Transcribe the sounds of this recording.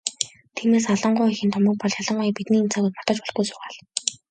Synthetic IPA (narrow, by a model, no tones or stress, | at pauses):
t̪ʰiːmeːsaɮə̆ɴɢʊːjixʲĭnt̪ʰʊmə̆k̚pɔɮjaɮə̆ɴɢʊjipit̪niːn̥t͡sʰaːɣuːjt̪mɔt̪ə̆t͡ɕpɔɮɣɡujsʊ̥ːʁaːɮ